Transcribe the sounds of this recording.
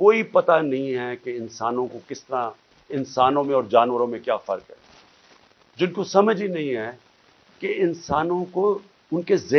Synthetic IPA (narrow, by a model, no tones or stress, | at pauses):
koːipɐt̪anɐɦĩɦɛkeɪnsaːnõkokɪst̪əɾã | ɪnsaːnõmẽɔːɾd͡ʒaːnʋəɾõmẽkjaːfɐɾkɦɛ̰ː | d͡ʒɪnkosɐməd͡ʒinɐɦĩɦɛ | keɪnsaːnõko | ʊnkeze